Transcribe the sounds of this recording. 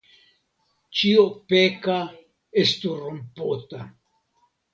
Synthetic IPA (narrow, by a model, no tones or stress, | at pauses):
t͡ʃiopeka | est̪uromput̪a